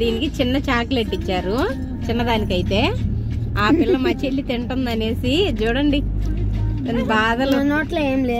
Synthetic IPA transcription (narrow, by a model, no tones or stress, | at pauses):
d̪iːnikit͡ʃinːɐt͡ʃaːkleʈːit͡ʃːaːɾu | t͡ʃinːɐd̪aːnikɐjit̪e̞ː | aːpilːɐmɐt͡ʃːelːit̪iɳʈɐnd̪ɐne̞ːsid͡ʒuːɽɐɳɖi | ɐnbaːd̪ɐlnoːʈlɐeːmleː